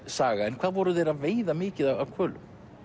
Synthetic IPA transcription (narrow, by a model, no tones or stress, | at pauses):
saːɣaɛnkʰvaːðvɔɾʏðeːjɾaðveːjðamɪːcɪðaawkʰvœːlʏ̰m